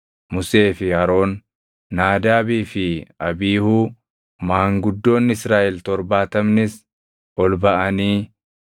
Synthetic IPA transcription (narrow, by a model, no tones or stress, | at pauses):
mʊse̞ːfɪhɐɾo̞ːnː | aːd̪aːbiːfɪɐbiːhuː | maːŋɡʊd̪ːo̞ːnːɪsɾaːʔɛlt̪ɔɾbaːt̪ɐmnɪs | ɔlbɐʔɐniː